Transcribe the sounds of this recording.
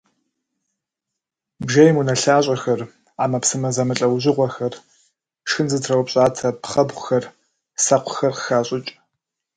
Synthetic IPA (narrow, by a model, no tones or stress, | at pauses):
bʒɐjmunɐɬaːɕʼɐxɐr | aːmɐpsɨmɐzɐmɨɬʼɐwʑɪʁʷɔxɐr | ʂɨnzɨtʰrɐwpɕʼaːtʰɐpχɐbʁʷʊxɐr | sɐqʷʰʊxɐrqxaːɕʼɪt͡ʃʼ